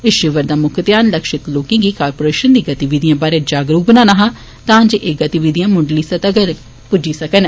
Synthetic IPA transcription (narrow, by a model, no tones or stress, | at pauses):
ɪʃɪʋəɾd̪aːmʊkʰət̪ɪjaːnləkʃɪt̪loːkẽːɡiːkaːɾpoːɾeːʃənd̪iːɡət̪iʋiːd̪ijãːbaːɾeːd͡ʒaːɡɾuːk̚bənãːnaɦãː | t̪ãːɲd͡ʒeːʔeːɡət̪iʋid̪ijãːmʊɳɖliːsət̪əɡəɾ | pʊd͡ʒiːsəkən